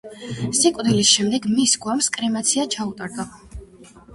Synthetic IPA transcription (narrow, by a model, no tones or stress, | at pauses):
sikʼwd̪ilisʃɛmd̪ɛɡmisɡwamskʼɾɛmat̪sʰiat͡ʃʰaut̪ʼaɾd̪ɔ